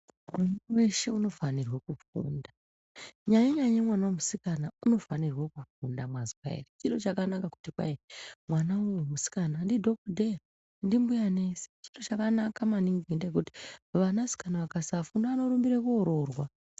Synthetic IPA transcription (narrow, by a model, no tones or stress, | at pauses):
mwanwe̞ʃe̞uno̞fanirwakufṵːnda | ɲajeɲaajemwanawemusikanauno̞fanirwakufundamwaziwa̰ḛrit͡ʃiɗo̞t͡ʃakanakaku̥tikwa̰emwanaujemusi̥kanandidʱo̞kdʱe | ndimbujane̞se̥t͡ʃiɗo̞t͡ʃakanakamaniŋɡindekuti̥ʋanasi̥kanaʋakasafundaano̞ɾumbiɾekuoɾo̞rwa